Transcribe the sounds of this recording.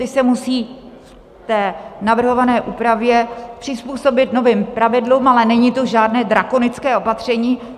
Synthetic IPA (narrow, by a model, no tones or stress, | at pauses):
ɪsɛmusiːf | t̪ɛːnavr̩ɦo̞vanɛːʔuːpɾavjɛpr̥ɪspuːso̞bɪt̪no̞viːmpɾavɪdluːmalɛnɛɲiːt̪o̞ʒaːdnɛːd̪ɾako̞nɪt͡skɛːo̞pat̪r̝̥ɛɲiː